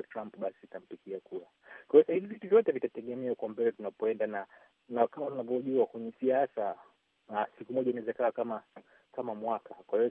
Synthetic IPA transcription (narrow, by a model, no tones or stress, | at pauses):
tɾampɓasiːtam̩pikiakuɾa | kwasahivivituvjɔtɛvitatɛɠɛmɛaukwambɛlɛtunapɔɛndana | nakamatunavjɔʄuakwɛɲɛsiasa | sikumɔʄainaɛzɛkawakama | kamamwakakwahiɔ